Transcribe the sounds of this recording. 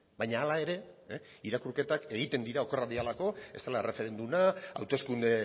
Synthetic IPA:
baɲaːlae̞ɾe̞ | iɾakuɾke̞t̪ake̞ɣ̞it̪e̞nd̪iɾao̞keraðialako̞e̞st̪alaere̞fe̞ɾe̞nd̪unaa̰wt̪e̞skund̪e̞

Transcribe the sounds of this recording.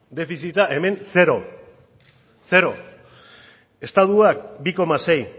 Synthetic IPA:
d̪e̞fisit̪aʔe̞me̞nse̞ɾo̞ | se̞ɾo̞ | e̞st̪aðuakbiko̞mase̞j

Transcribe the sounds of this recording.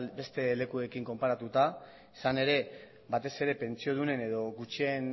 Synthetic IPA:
be̞st̪e̞le̞kue̞kiŋko̞mpaɾat̪ut̪a | isane̞ɾe̞ | bat̪e̞se̞ɾe̞pe̞nt͡sio̞ð̞une̞ne̞ðo̞ɡut͡ʃie̞n

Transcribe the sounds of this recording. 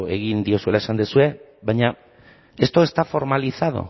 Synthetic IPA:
e̞ɣind̪io̞sue̞laesand̪esue̞ | βajɲa | e̞st̪o̞e̞st̪afo̞ɾmaliθað̞o̰

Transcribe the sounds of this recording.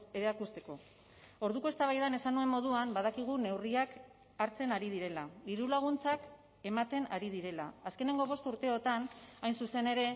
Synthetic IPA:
eɾeakust̪e̞ko̞ | o̞ɾðuko̞e̞st̪aβajðane̞sanue̞mːo̞ð̞uambað̞akiɣ̞une̞wriak | aɾt͡se̞naɾið̞iɾe̞laiɾulaɣ̞unt͡sak | e̞mat̪e̞naɾið̞iɾe̞la̰ːske̞ne̞ŋɡo̞β̞o̞st̪uɾt̪e̞o̞t̪anajnsuse̞ne̞ɾe̞

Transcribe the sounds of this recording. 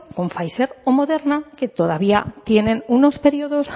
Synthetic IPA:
koɱfajse̞ɾomo̞ðe̞ɾnake̞t̪o̞ð̞aβ̞ia̰t̪je̞ne̞nuno̞spe̞ɾioðo̞s

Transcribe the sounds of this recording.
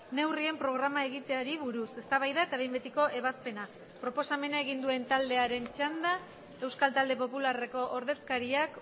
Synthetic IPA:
ne̞wrie̞mpɾo̞ɣ̞ɾamae̞ɣ̞it̪e̞aɾiβuɾuse̞st̪aβajðaet̪aβe̞jmbet̪iko̞ʔe̞βaspe̞na | pɾo̞po̞same̞nae̞ɣ̞ind̪ue̞nt̪ald̪e̞aɾe̞nt͡ʃand̪a | e̞wskalt̪ald̪e̞p̬o̞pulare̞ko̞ʔoɾðe̞skaɾiak

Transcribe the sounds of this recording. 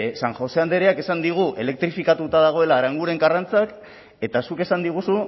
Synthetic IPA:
saŋxo̞se̞and̪e̞ɾeake̞sand̪iɣ̞uʔe̞̰le̞k̚t̪ɾifikat̪ut̪aðaɣ̞o̞e̞laːɾaŋɡuɾe̞ŋɡarant͡sak | e̞t̪asuke̞sand̪iɣ̞usu

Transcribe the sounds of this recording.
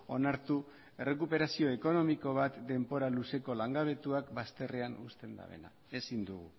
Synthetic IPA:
o̞naɾt̪u | e̞re̞kupe̞ɾasio̞e̞ko̞no̞miko̞β̞at̪d̪e̞mpo̞ɾaluse̞ko̞laŋɡaβ̞e̞t̪uakbast̪e̞re̞anust̪e̞nd̪a̰βe̞̰na̰ | e̞sind̪uɣu

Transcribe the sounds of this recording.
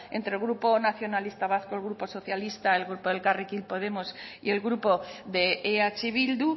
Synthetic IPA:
ẽ̞̰nt̪ɾe̞lɣɾupo̞naθjo̞nalist̪aβ̞aθkoelɣɾupo̞so̞θjalist̪ae̞lɣɾupoðe̞lkarikilpo̞ð̞e̞mo̞sie̞lɣɾupo̞ðe̞eat͡ʃiβild̪u

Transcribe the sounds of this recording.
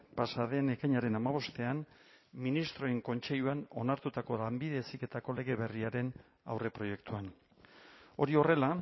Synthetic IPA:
pasaðe̞ne̞kajɲaɾe̞namaβ̞o̞st̪e̞anminist̪ɾo̞eŋko̞nt͡ʃe̞ʎuano̞naɾt̪ut̪ako̞lambiðe̞sike̞t̪ako̞le̞ɣ̞e̞βe̞riaɾe̞n | a̰wre̞pɾo̞je̞kt̪uan | o̞ɾio̞re̞la

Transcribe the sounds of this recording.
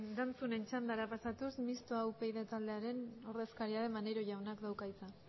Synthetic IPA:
d̪ant͡sune̞nt͡ʃand̪aɾapasat̪usmist̪oawpe̞jðet̪ald̪eaɾe̞no̞ɾðe̞skaɾiaðe̞maneɾo̞ʝawnakd̪awkajt͡sa

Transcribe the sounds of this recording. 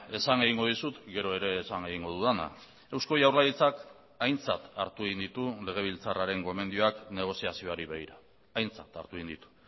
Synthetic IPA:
e̞saŋe̞ɣiŋɡo̞ðisut̪ɡe̞ɾo̞e̞ɾe̞ːsaŋe̞ɣ̞iŋɡo̞ðuðana̰ | e̞wsko̞jawɾlaðit͡sak | ajnt͡sat̪aɾt̪ueɣind̪it̪ule̞ɣ̞e̞β̞ilt͡saraɾe̞ŋɡo̞me̞nd̪io̞akne̞ɣ̞o̞siasio̞aɾiβeɣiɾaː | jnt͡sat̪a̰ɾt̪uind̪it̪u̥

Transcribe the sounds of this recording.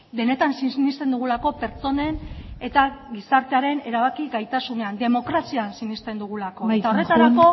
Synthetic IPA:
be̞ne̞t̪ansinist̪e̞nd̪uɣulako̞pe̞ɾt͡so̞ne̞ne̞t̪aɣisaɾt̪eaɾe̞ne̞ɾaβakiɣajt̪asune̞and̪e̞mo̞kɾasiansinist̪e̞nd̪uɣ̞ulako̞et̪ao̞re̞t̪aɾako̞

